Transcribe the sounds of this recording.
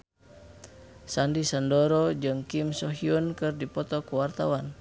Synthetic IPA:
sandisandɔɾɔd͡ʒɨŋkimsɔɦiunkɨrdipɔt̪ɔkuwart̪awan

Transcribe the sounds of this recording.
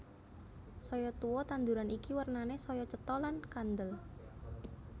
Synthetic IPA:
sɔjɔt̪uwɔt̪and̪uɾanikiwərnanesɔjɔt͡ʃət̪ɔlankand̪əl

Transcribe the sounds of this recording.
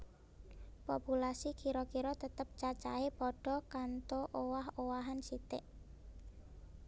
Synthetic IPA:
populasikʰiɾɔkiɾɔt̪ət̪əp̚t͡ʃat͡ʃa̰epɔɖ̥ɔ̤kant̪oʔowaɦowaɦansit̪ɪʔ

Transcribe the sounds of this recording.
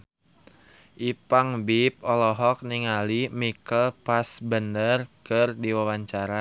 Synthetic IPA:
ʔipaŋbip̚ɔlɔɦɔk̚niŋalimikəlpasbəndərkɨrdiwawaɲt͡ʃaɾa

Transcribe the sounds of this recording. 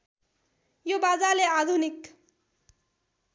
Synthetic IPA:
jobad͡zalead̪ʱunik

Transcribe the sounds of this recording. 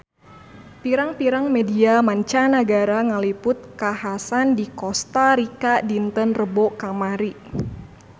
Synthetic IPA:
piɾaŋpiɾaŋmediamaɲt͡ʃanəɡaɾaŋəlipʊt̪̚kaɦasandikɔst̪aɾikadint̪ənrəbokamaɾi

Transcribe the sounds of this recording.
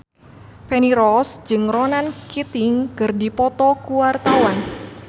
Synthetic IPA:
fɛniɾɔsd͡ʒɨŋrɔnankit̪iŋkɨrdipɔt̪ɔkuwart̪awan

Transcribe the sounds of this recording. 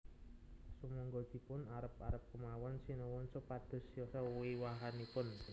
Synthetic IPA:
səmɔŋɡɔd̪̥i̤pʊnaɾəp̚a̰ɾəp̚kəmawɔnsinɔwɔnsopad̪̥ə̤sjɔsɔiwaɦanipʊn

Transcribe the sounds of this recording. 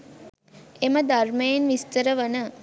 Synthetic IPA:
eməd̪armejenʋist̪əɾəʋənə

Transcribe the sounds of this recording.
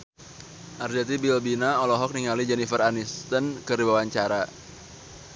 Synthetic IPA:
ʔard͡ʒat̪ibilbinaɔlɔɦɔk̚niŋalid͡ʒɛnifəranist̪ənkɨrdibawaɲt͡ʃaɾa

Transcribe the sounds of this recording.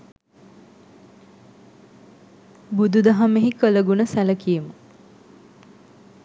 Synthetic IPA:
bud̪ud̪aɦameɦikələɡunəsæləkijemə

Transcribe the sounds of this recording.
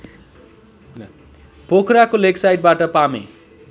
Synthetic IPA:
pokʰɾakoleksajʈ̚baʈʌpamḛ

